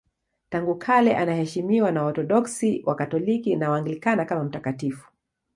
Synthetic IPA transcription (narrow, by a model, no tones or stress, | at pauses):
taŋɡukʰalɛʔanahɛʃimiwanaɔɾtɔɗɔksiwʔakatɔlikinawaŋɡilikanakamam̩takatifu̥